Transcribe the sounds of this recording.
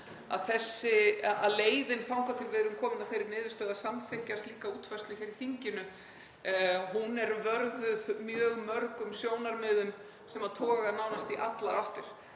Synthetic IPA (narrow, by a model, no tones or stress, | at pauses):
a̰ðθɛsːɪaaðleːjðɪnfawŋ̥k̪awfɪɾvɪːðɾʏmkʰɔːmʏnafejɾɪɾnɪːðʏst̪œːðasamθɪhcːast̪liːkauːt̪fœslɪçɛɾiθiɲcɪnʏ | hunɛɾvœɾðʏðmjœːɣmœɾkʏmsjoːwnaɾmɪːðʏm | sɛmaðt̪ʰɔːɣaðnawnast̪iʔat̪laɾawht̪ʏɾ̥